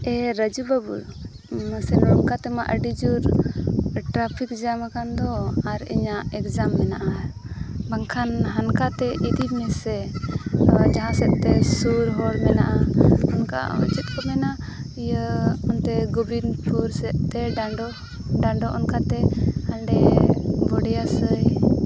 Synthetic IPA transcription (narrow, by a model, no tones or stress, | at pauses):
ɛɾəd͡ʒubabṵɽ | məsɛnɾɔnkat̪ɛmaʔəɖid͡ʒuɾ | ʈɾapʰikd͡ʒamakand̪ɔaɾḭɲaʔɛkzamːɛnaʔa | baŋkʰanɦankat̪ɛʔid̪imɛsɛ | d͡ʒaɦãsɛʔ̪t̪ɛsuɾɦɔɽmɛnaʔaɔnka̰ṵt͡ʃit̪̚ˀkɔmɛna | ijəɔnt̪ɛɡubinpʰuɾsɛʔ̪t̪ɛɖaɖɔ | ɖaɳɖɔʔɔnkat̪ɛhaɳɖɛbɔɽɛjasəj